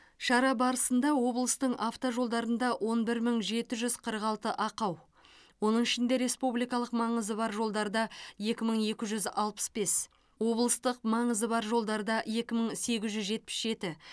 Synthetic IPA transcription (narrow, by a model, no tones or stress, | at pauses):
ʃɑɾɑbɑɾəsənd̪ɑwo̞blˠəst̪əɴaft̪oʒo̞lˠd̪ɑɾənd̪ɑwʔo̞nbɪɾməɴʒe̞t̪ɪʒʏz̥qʰəɾəqɑlˠt̪əʔɑqɑw | wo̞nəɴɪʃɪnd̪e̞ɾe̞spublijkɑlˠəqmɑɴəzəbɑɾʒo̞lˠd̪ɑɾd̪ɑje̞kʲɪməɴe̞kʲɪʒʏzɑlˠpə̥sbe̞s | wo̞blˠəst̪əq̚mɑɴəzəbɑɾʒo̞lˠd̪ɑɾd̪ɑje̞kʲɪməɴse̞ɡʲɪzʒʏzʒe̞t̪̚pɪ̥sʒe̞t̪ɪ